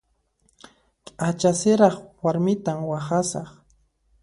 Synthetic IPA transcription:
kʼat͡ʃasɪɾɑχwaɾmɪt̪amwaχasɑχ

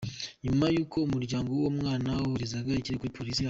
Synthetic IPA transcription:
ɲumajuːkʰo̞umuɾɟaːŋɡowomŋaːnauɾizaɡaiciɾekuipʰo̞ɾisija

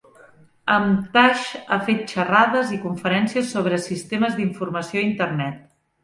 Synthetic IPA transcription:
əmt̪aʃa̰fet̪̚t͡ʃəraðəzikuɱfəɾɛnsiəsːoβɾəsist̪eməzðiɱfurməsioint̪ərnɛt̪̚

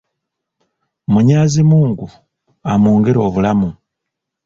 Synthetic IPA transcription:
muɲaːzimuːŋɡu | amuːŋɡeɾo̞ːβulamu

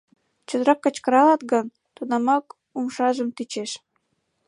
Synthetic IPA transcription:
t͡ɕə̆d̪əɾɑkːə̆t͡ɕkə̆ɾɑlɑt̪ɡən | t̪unɑmɑk | umʃɑʒəmt̪it͡ɕeʃ

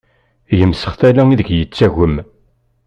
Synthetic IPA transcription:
jəmsə̥χθælæiðəɡjət͡sːæʝəm

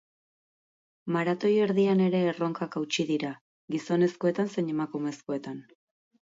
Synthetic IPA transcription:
maɾat̪o̞je̞ɾðiane̞ɾe̞ːro̞ŋkakawt͡ʃiðiɾa | ɡiso̞ne̞sko̞e̞t̪anse̞ɲe̞makume̞sko̞e̞t̪an

